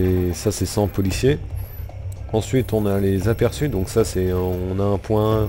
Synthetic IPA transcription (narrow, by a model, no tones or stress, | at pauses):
esasɛsɑ̃pɔlisje | ɑ̃sɥit̪ɔ̃nalezapɛʁsyd̪ɔ̃ksasɛɔ̃naɛ̃pwɛ̃